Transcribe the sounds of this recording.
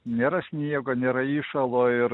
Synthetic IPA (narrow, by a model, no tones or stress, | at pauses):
nʲeːɾɐsʲnʲiɛɡoːnʲeːɾɐiːʃɐlˠoːɪɾ